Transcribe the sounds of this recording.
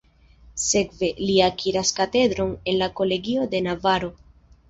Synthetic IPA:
se̞kve̞liakʰiɾaskat̪e̞d̪ɾo̞ne̞nlako̞le̞ɡio̞d̪e̞navaɾo̞

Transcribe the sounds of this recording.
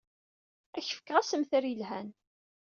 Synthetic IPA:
æçə̥fə̥kːʁæsəmθəɾjəlɦæn

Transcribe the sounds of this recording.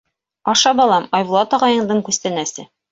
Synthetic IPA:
ɒʃɑbɑlˠɑmɒjwlˠɑt̪ɒʁɑjɤ̆ɴd̪ɤɴkʉst̪ænæsɘ

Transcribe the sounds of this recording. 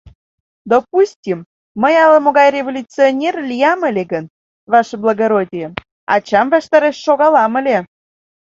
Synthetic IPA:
d̪opusʲtʲimː | əjɑləmoɣɑjrʲevolʲut͡sionʲerlʲijɑməlʲeɣən | βɑʃblˠɑɣoɾodʲijə | ɑ̰t͡ɕɑmvɑʃt̪ɑɾeʃːoɣɑlɑməlʲe

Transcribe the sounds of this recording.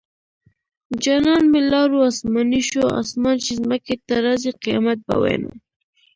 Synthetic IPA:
d͡ʒanɑnmɪlɑɾuasmɑniʃoa̰smɑnt͡ʃizməket̪aɾaziqijɑ̰mat̪̚ba̰wḛna̰

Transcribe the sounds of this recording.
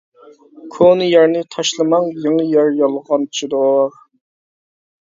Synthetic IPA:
kʰonɨjæɾnɪt̪ʰɑʃlˠɨmɑŋjeŋəjæɾjɑlˠʁɑnʰt͡ʃʰd̪o

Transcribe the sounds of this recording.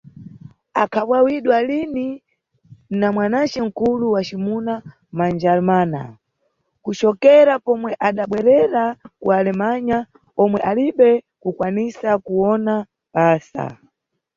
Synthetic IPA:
akʰaɓwawiɗwalini | namwanat͡ʃɛŋ̩kuluwat͡ʃimuna | mand͡ʒalmaːna̰ | kut͡ʃɔkɛɾapɔmwɛʔaɗaɓwɛɾɛɾakualɛmaɲa | ɔmwɛʔaliɓɛ | kukwanisakuɔna | ɓaːsa̰

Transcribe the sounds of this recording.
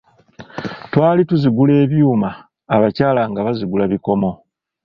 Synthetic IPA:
twaːlituziɡule̞ːβjuːmaː | βacaːlaŋɡaβaziɡulaβiko̞mo̞

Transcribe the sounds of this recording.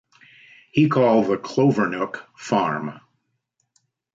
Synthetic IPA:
hikʰɔlˠðəkʰl̥oʊvə˞nʊkfɑɹm

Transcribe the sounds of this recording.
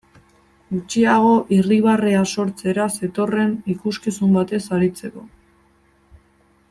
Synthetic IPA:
ɡut͡ʃiaɣ̞o̞ʔiriβ̞areaso̞ɾt͡se̞ɾase̞t̪o̞re̞nikuskisumbat̪e̞saɾit͡se̞ko̞

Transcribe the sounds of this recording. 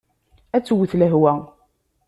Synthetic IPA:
æt͡sːwəθləɦwæ

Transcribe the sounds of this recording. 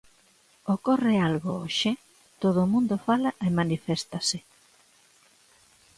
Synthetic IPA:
okorealɣooʃe | t̪oðomũnd̪ofalaʔemanifɛst̪asɪ

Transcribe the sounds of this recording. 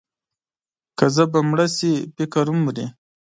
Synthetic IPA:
kazəbamɽasipikaɾumuɾi

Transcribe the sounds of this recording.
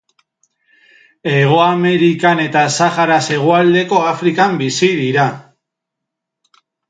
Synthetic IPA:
e̞ɣ̞o̞ame̞ɾikane̞t̪asaxaɾase̞ɣ̞oald̪e̞ko̞afɾikambisiðiɾa

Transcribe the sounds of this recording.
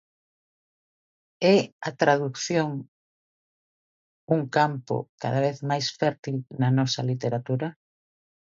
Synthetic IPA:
ɛat̪ɾaðukθjoŋ | uŋkampo̰ka̰ðaβeθmajsfɛɾt̪ilnɐnɔsɐlit̪eɾat̪uɾa

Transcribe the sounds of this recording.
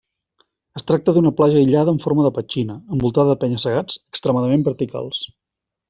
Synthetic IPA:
əst̪ɾak̚t̪əðunəplaʒəiʎaðəɱfoɾməðəpət͡ʃinəəmbulˠt̪aðəðəpɛɲəsəɣ̞ad͡z̥əkst̪ɾəmaðəmembəɾt̪ika̰lˠs

